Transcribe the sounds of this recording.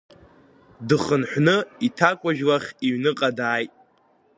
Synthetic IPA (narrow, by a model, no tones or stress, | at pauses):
dɨχənħʷnɨitʰakʷʼaʒᶣlaχʲiɥnɨqʼadaːjtʼ